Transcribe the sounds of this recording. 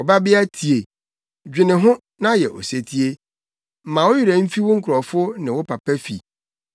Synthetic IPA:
ɔ˨ba˦bɪ˦a˦tʰi˨e˨ | d͡ʑᶣɪ˨nɪ̃˨ɦʊ̃˦ | nã˦jɛ˨ʔɔ̰˨se˨tʰi˦e˦ | m̩˦mã˨wɔ˦ji˦ɾæ˨m̩˦fi˦wʊ̃˦ŋ̩˦kʰʊ˨ɾɔ˨fʊ˦nɪ̃˨wɔ˦pʰa˨pʰæ˦fḭ˨

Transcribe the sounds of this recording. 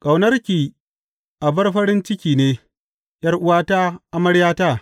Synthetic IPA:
kʼɐ˨wnɐ˦rkʲiː˨ | ʔa˨bɐ˦rɸɐ˦ɾɪ˦nt͡ʃɪ˦kʲiː˨neː˦ | jɐ˦rʔʊ˦waː˦ta˦ʔa˦mɐ˦ɽjaː˦taː˦˨

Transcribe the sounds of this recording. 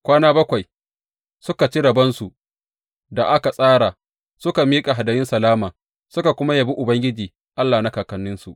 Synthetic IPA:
kʷaː˦naː˦bɐ˦kʷa˨j | sʊ˦ka˨t͡ʃi˦ɽɐ˨bɐ˦nsu˨ʔ | da˨ʔa˦ka˨sʼaː˦ɽa˨ | sʊ˦ka˨miː˦kʼa˨ɦa˨dɐ˨mɪ˦nsɐ˨laː˦maː˨ | sʊ˦ka˨kʷʊ˦ma˦ja˨bi˦ʔʊ˨bɐ˦ŋɡʲɪ˦d͡ʒiː˨ | ʔa˦lːaː˨na˦kaː˨kɐ˨nːɪ˦nsu˨ʔ

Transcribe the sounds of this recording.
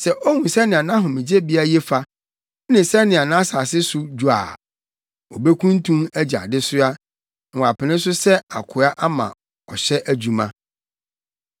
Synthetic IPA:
sɛ˨ʔɔ˦hũ˨sɛ˦nɪ̃˨a˨nã˦ɦʊ̃˨mɪ̃˨d͡ʑe˦bi˦a˦jɛ˦fa˦ | nɪ̃˨sɛ˦nɪ̃˨a˨nã˦saː˨sɪ˦sʊ˦d͡ʑu˨a̰ː˨ | o˨be˦kʰũ˦n˦tʰũ˦mæ˦d͡ʑa̰˨dɪ˦sʊ˦a˦ | ŋ̩˨wa˨pʰɪ˨nɪ̃˦s̬ʊ˦sɛ˦a˨kʰʊ˨a˦ʔa˦mã̰˨ | ɔ˨ɕɛ˦ʔæ˦d͡ʑu˨mã˦

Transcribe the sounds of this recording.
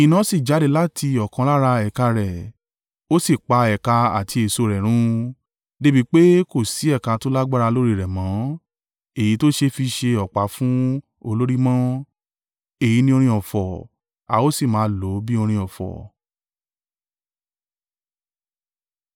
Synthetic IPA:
i˨nã˨˦si˦˨d͡ʒa˨˦de˨˧˦la˦tʰi˧ɔ˨kã˧la˦ɾa˧ɛ˨ka˧ɾɛ˨ | o˦si˦˨k͡pa˧ɛ˨ka˧a̰˨tʰi˧e˨so˧ɾɛ˨ɾ̃ũ˨˦ | de˦bi˦˧k͡pe˦ko˦˨si˨˦ɛ˦˨ka˧to˦la˦ɡ͡ba˦ɾa˧lo˦ɾi˦˨ɾɛ˨mã˨˦ | e˦˨ji˨˦to˦ʃe˧fi˧ʃe˧ɔ˨k͡pa˨˦fũ˦ | o˧lo˦ɾi˦mã˦ | e˦˨ji˨˧˦nĩ˧o˧ɾ̃ĩ˧ɔ˨fɔ˨ | a˨˧o˦si˦˨mãː˨˦lo˨˦bi˦o˧ɾ̃ĩ˧ɔ˨fɔ̰˨

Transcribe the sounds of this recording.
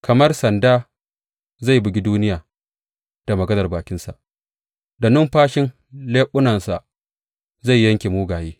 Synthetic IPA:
kʰɐ˨mɐ˦rsɐ˨ndaː˦ | za˦˨jbɪ˨ɡʲi˦duː˦nɪ˦jaː˨ | d̥a˨mɐ˨ɡɐ˦nɐ˨rbaː˨kʲɪ˦nsa̰˨ʔ | da˨nʊ˦mɸaː˦ʃɪ˦n | leː˦ɓʊ˦nɐ˨nsa˨ʔ | za˦˨jːɐ˦ŋkʲeː˨muː˦ɡaː˨jeː˦

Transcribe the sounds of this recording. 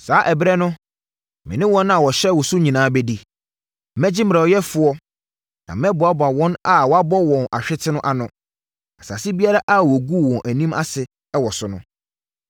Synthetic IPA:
saː˨˦ʔɛ˨bɾɛ˦nʊ̃˦ | mɪ̰̃˨nɪ̃˦wɔ̃˦nã˨wɔ˨ɕɛ˦wɔ˨su˦ɲĩ˨nãː˨˦bɛ˦di˦ | mɛ̃˦d͡ʑɪ˦m̩˨ɾɛ˨wɔ˨jɛ˦fʊ˦ɔ˦ | nã̰˨mɛ̃˦bʊ˨a˦ba˨wɔ̃˦na˨wɔ˨˦a˦bɔ˦wɔ̃˨nʔa̰˨ɕᶣɪ˦tʰɪ˦nʊ̃˦ʔa˨nʊ̃˨ | a˨sa̰˨sɪ˦bi˦a˦ɾa˦ʔa˦˨wɔ˨ɡu˦˨wɔ̃˨nʔæ˨nĩ˦ma̰˦sɪ˨ | ɛ˦wɔ˨sʊ˨nʊ̃˦

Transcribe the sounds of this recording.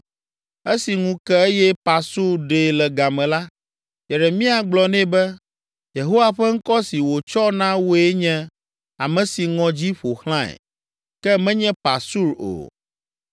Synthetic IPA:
e˦si˨ŋũ˦kɛ˦e˦jɛ˦pa˨su˦ɾɖe˨lɛ˨ɡa˨mɛ̃˨la˦ | jɛ˨ɾe˨mĩ˦a˨ɡ͡blɔ˨nɛ̃˦bɛ˦ | je˨ɦo˦wa˨ɸɛ˦ŋ̩˦kɔ˦si˨wo˨t͡ʃɔ˦nã˦wo˦e˦ɲɛ̃˦ | a˨mɛ̃˨si˨ŋɔ̃˨d͡ʑi˦ɸo˨xl̃ã˦ɛ̰˨ | kɛ˦mɛ̃˦ɲɛ̃˦pa˨su˦ɾo̰˨

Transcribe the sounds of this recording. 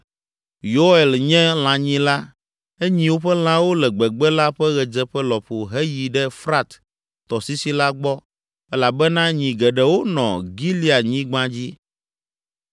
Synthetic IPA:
jo˦e˨lɲɛ̃˦l̃ã˨ɲĩ˦la˦ | e˦ɲĩ˦wo˦ɸɛ˦l̃ã˦wo˦lɛ˨ɡ͡bɛ˨ɡ͡bɛ˦la˦ɸɛ˦ɣɛ˨d͡ʒɛ˦ɸɛ˦lɔ˨ɸo˨ɦɛ˦ji˨ɖɛ˦fɾa˦t̪ | t̪ɔ˨si˦si˦la˦ɡ͡bɔ˦ | ɛ˦la˨bɛ˦nã˦ɲĩ˨ɡɛ˨ɖɛ˨wo˦nɔ̰̃˨ɡi˦li˦a˨ɲĩ˦ɡ͡bã˦d͡ʑi˦

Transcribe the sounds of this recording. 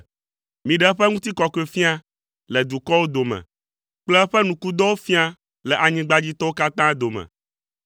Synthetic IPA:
mĩ˨ɖɛ˦ɸɛ˦ŋũ˦t̪i˦kɔ˨ke˦˨fi˦a˦ | lɛ˨d̪u˨kɔ˦wo˦d̪o˨mɛ̰̃˨ | k͡plɛ˦ɛ˦ɸɛ˦nũ˨ku˦d̪ɔ˦wo˦fĩ˦a˦ | lɛ˨ʔa˨ɲĩ˦ɡ͡ba˦d͡ʑi˦t̪ɔ˦wo˦ka˦t̪ã˦d̪o˨mɛ̰̃˨

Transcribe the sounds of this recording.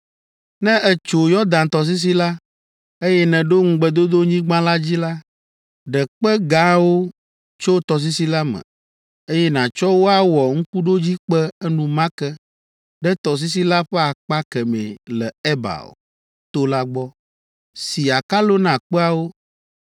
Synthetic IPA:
nɛ̃˦ʔɛ˦t͡ʃo˨jɔ˦d̪ã˨n˨t̪ɔ˨s̬i˦s̬i˦la˦ | e˦jɛ˦nɛ̃˨ɖo˦ŋ̩˦ɡ͡bɛ˨d̪o˦d̪o˦ɲĩ˦ɡ͡bã˦la˦d͡ʑi˦la˦ | ɖɛ˨k͡pɛ˦ɡa˦wo˦ | t͡ʃo˦t̪ɔ˨s̬i˦si˦la˦mɛ̰̃˨ | e˦jɛ˦nã˨t͡ʃɔ˦wo˦a˦wɔ˨ŋ̩˦ku˦ɖo˦d͡ʑi˦k͡pɛ˦ɛ˦nũ˨mã˦kɛ˦ | ɖɛ˦t̪ɔ˨s̬i˦s̬i˦la˦ɸɛ˦a˨k͡pa˦kɛ˨mɛ̰̃˨lɛ̰˨ɛ˦ba̰˨o̰˨ | t̪o˦la˦ɡ͡bɔ˦ | si˨a˨ka˦lo˦nã˨k͡pɛ˦a˦wo˦

